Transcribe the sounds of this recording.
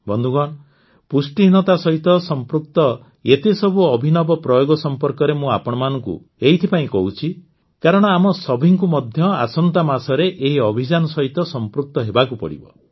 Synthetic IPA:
bɔnd̪ʱuɡɔɽ̃ | pusʈinɔt̪asɔɦit̪ɔsɔmpɾuk̚t̪ɔ | et̪esɔbuɔbʱinɔbɔpɾɔjoɡɔsɔmpɔɾkɔɾemũapɔɽ̃ɔmanɔŋkṵ | eɦit̪ʰipaĩkɔɦut͡ʃʰi | kaɾɔɽ̃ɔamɔsɔbʱiŋkumɔd̪ʱjɔa̰sɔnt̪amasɔɾeʔeɦiɔbʱid͡ʒanɔsɔɦit̪ɔsɔmpɾuk̚t̪ɔɦebakupɔ̰ɽḭbɔ̰

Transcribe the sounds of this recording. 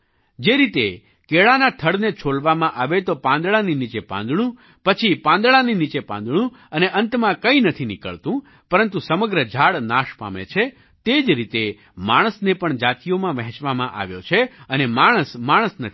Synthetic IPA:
d͡ʒeɾit̪e | keɭanat̪ʰəɽnet͡ʃʰoɭʋamãʔaʋet̪opãnd̪ɭaninit͡ʃepã̰nd̪ɽ̃ũ | pət͡ʃʰipãnd̪ɭaninit͡ʃepã̰nd̪ɳ̃ũ | əneʔənt̪mãkəĩnət̪ʰinikə̰ɭt̪ũ | pəɾənt̪usəməɡɾəd͡ʒʱaɽnaʃpa̰mḛt͡ʃʰe | t̪ed͡ʒɾit̪e | maɽ̃əsnepəɳd͡ʒat̪ijomãʋɛ̃ɦɛ̃t͡ʃʋamãʔa̰ʋjot͡ʃʰeənemaɽ̃əsmaɽ̃əsnət̪ʰi

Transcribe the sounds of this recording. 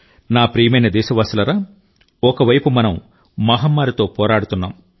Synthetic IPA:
naːpɾijɐmɐjnɐd̪ɛːʃɐʋaːsulɐɾaː | ɔkɐʋɐjpumɐnɐm | mɐːɦɐmːaːɾit̪o̞ːpɔːɾaːɽut̪unːaːm

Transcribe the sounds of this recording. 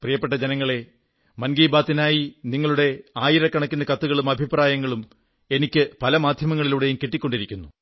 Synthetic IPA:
prijɐpːe̞ʈ̬ːɐd͡ʑenɐŋːɐɭe̞ | mɐnɡiːbaːt̪ːinaːjiniŋːɐɭuɽe̞aːjiɾɐkːɐɳɐkʲːunːɐkɐt̪ːuɣɐɭumɐbʱipraːjɐŋːɐɭum | e̞nikʲːɨpɐlɐmaːd̪ʱjɐmɐŋːɐɭiluɽejumkiʈːikʲːo̞ɳɖiɾikʲːunːu

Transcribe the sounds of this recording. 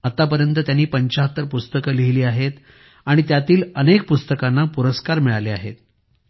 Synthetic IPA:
at̪apəɾjənt̪ət̪janːiːpəɲt͡ɕaɦət̪ːəɾpust̪əkəliɦiliːaɦet̪ | aɽ̃it̪jat̪iːlənek̚pust̪əkanːapuɾəskaɾmiɭaleaɦḛt̪̚

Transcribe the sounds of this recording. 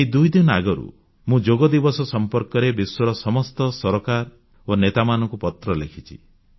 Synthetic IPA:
eid̪ujd̪inɔaɡɔɾṵ | mũd͡ʒoɡɔd̪ibɔsɔsɔmpɔɾkɔɾebiswɔɾɔsɔmɔst̪ɔsɔɾɔkaɾ | onet̪amanɔ̃ŋkupɔt̪ɾɔlekʰit͡ʃʰi

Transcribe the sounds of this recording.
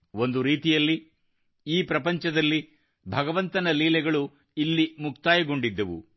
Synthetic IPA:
o̞nd̪uɾiːt̪ijɐlːi | iːpɾɐpɐɲt͡ʃɐd̪ɐlːi | bʱɐɡɐʋɐnt̪ɐnɐliːlɛɡɐɭu | ilːimukt̪aːjɐɡo̞ɳɖid̪ːɐʋṵ

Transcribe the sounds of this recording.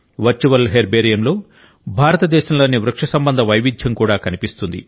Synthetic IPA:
ʋɐɾt͡ʃuʋɐlɦeːɾbeːɾijɐmlo̞ː | bʱaːɾɐt̪ɐd̪ɛːʃɐmlɐːnːiʋɾɐkʂɐsɐmbɐnd̪ʱɐʋɐjʋid͡ʒjɐmkuːɽaːkɐnipist̪und̪ḭ

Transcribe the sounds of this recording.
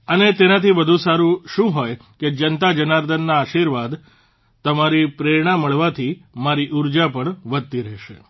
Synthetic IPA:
ənet̪enat̪ʰiʋəd̪ʱũsaɾũʃũɦojked͡ʒənt̪ad͡ʒənaɾd̪ʱənːaːʃiɾʋad̪ | t̪əmaɾipɾeɾɳ̃aməɭʋat̪ʰimaɾiʔuɾd͡ʒapəɳʋəd̪t̪ːiɾɛɦʃḛ

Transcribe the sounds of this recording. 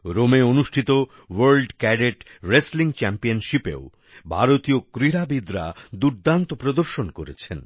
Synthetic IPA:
ɾomeonuʃʈʰit̪o | wɐɾlɖkɛɖeʈɾesliŋt͡ɕɛmpionʃipḛo | bʱaɾot̪iokɾiɾabid̪ɾa̰d̪uɾd̪ant̪opɾod̪oɾʃonkoɾet͡ɕʰen

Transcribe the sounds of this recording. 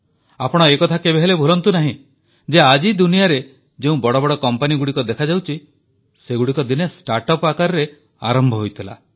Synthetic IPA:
apɔɽ̃ɔekɔt̪ʰakebeɦelebʱulɔnt̪unaɦĩ | d͡ʒead͡ʒid̪unijaɾe | d͡ʒeũbɔɽɔbɔɽɔkɔmpaniɡuɽikɔd̪ekʰad͡ʒawt͡ʃʰi | seɡuɽikɔd̪inesʈaɾʈɔpakaɾɔɾe | a̰ɾɔmbʱɔɦojt̪ʰila̰

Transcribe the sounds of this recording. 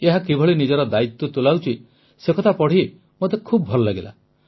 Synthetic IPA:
eɦakibʱɔɭinid͡ʒɔɾɔd̪ait̪ːɔt̪ulawt͡ʃʰi | sekʰɔt̪ʰapɔɽ̤i | mot̪ekʰubɔbʱɔlɔlaɡela̰

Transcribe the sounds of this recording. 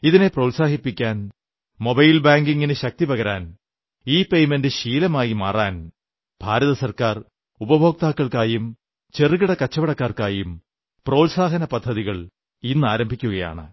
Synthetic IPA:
iðine̞prowlsaːɦipːikʲːaːn | mo̞bɐjlbaːŋɡiŋːinɨɕɐk̚t̪ibɐɣɐɾaːn | iːpe̞jmendɨɕiːlɐmaːjimaːraːn | b̥ʱaːɾɐðɐsɐrkaːr | ubɐbʱo̞ːk̚t̪aːkːɐɭkaːjum | t͡ɕeriɣiɽɐkɐt͡ɕːɐʋɐɽɐkːaːrkaːjum | pro̞ːlsaːɦɐnɐpɐd̪ʱːɐðiɣɐɭ | inːɨaːɾɐmbʱikʲːuɣɐja̰ːɳɨ̰

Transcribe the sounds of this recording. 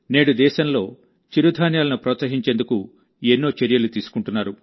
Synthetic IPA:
neːɽud̪ɛːʃɐnlo̞ː | t͡ʃiɾud̪ʱaːnjaːlɐnupɾɔːt̪sɐɦiɲt͡ʃe̞ːnd̪uku | enːo̞ːt͡ʃeɾijɐlut̪iːsu̥kuɳʈunːaːɾu

